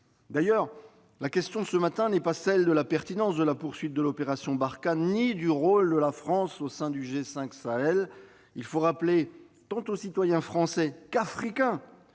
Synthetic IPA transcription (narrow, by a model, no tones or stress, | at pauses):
d̪ajœʁ | lakʲɛst̪jɔ̃səmat̪ɛ̃nɛpasɛld̪əlapɛʁt̪inɑ̃sd̪əlapuʁsɥit̪̚d̪əlɔpeʁasjɔ̃baʁkanid̪yʁold̪əlafχɑ̃sosɛ̃d̪yʒesɛ̃ksaɛl | ilfoʁaple | t̪ɑ̃t̪osit̪wajɛ̃fχɑ̃sɛkafχikʲɛ̃